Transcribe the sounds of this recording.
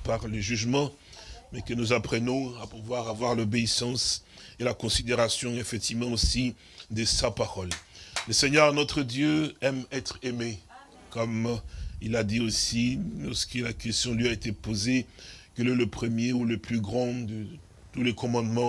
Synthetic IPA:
paʁləʒyʒmɑ̃ | mɛkənuzapχənɔ̃apuvwaʁavwaʁlobeisɑ̃s | elakɔ̃sid̪eʁasjɔ̃efɛk̚t̪ivmɑ̃osi | d̪əsapaʁɔlləsɛɲœʁnɔt̪χəd̪jøɛmɛt̪χeme | kɔmilad̪iosilɔʁsə̥kəlakʲɛst̪jɔ̃lɥiaet̪epozekɛlɛləpχəmjeuləplyɡʁɑ̃d̪ə | t̪ulɛkɔ̃mɑ̃d̪mɑ̃

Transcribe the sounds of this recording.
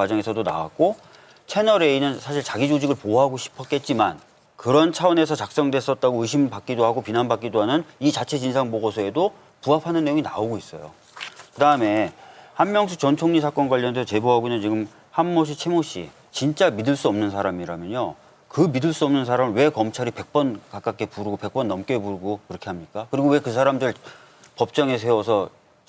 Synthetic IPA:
kwad͡ʑʌŋe̞sʰʌdona̰wa̰k̚k͈o | t͡ɕʰe̞nʌɾe̞inɯnsʰaɕʰiɭt͡ɕaɡid͡ʑod͡ʑiɡɯɭpoɦaɡoɕʰi̥pʰʌk͈e̞t̚t͡ɕ͈ima̰n | kɯɾʌnt͡ɕʰaʌne̞sʰʌt͡ɕak̚s͈ʌŋdwe̞s͈ʌt̚t͈aɡoɯɕʰimpak͈idoɦaɡopinanbak͈idoɦanɯnit͡ɕat͡ɕʰe̞d͡ʑinsʰaŋboɡʌsʰoe̞do | puapʰanɯnːejoŋinaoɡois͈ʌ̰jo̰ | kɯdaɯme̞hanmjʌŋs̬ʰut͡ɕʌnt͡ɕʰoŋɲisʰak͈ʌnɡwaʎːʌndeʌt͡ɕe̞boɦaɡoɲant͡ɕiɡɯm | hanːoɕ̬ʰit͡ɕʰe̞moɕ͈ḭ | t͡ɕint͡ɕ͈amidɯɭs͈uʌmnɯnsʰaɾamiɾamjʌɲo | kɯmidɯɭs͈uʌmnɯnsʰaɾamɯɭwe̞kʌmt͡ɕʰaɾipe̞k̚p͈ʌnkak͈ak͈e̞puɾɯɡope̞k̚p͈ʌnːʌmk͈e̞puɾɯɡokɯɾʌkʰe̞ɦamɲik͈akɯɾiɡowe̞kɯsʰaɾamdɯɾɯɭ | pʌp̚t͡ɕ͈ʌŋe̞s̬ʰewʌsʰʌ

